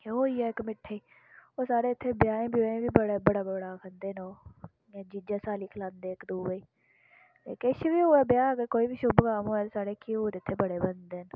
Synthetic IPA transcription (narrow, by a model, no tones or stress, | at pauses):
oːiːɛːɪkmɪʈʰːeiː | oːsaːɽeːɪt̪ʰːeːbjaːẽːbjoːẽːʋiːbəɽebəɽaːbəɽaːkʰənd̪eːnõː | d͡ʒid͡ʒaːsaːliːkʰlãːnd̪eːkd̪uːʋeiː | t̪eːkeʃʋiːoːɛːbjaːɡekoːiːbiːʃʊbkaːmoːɛːsaːɽeːkʰiːoːt̪eɪt̪ʰːeːbəɽeːbənd̪eːn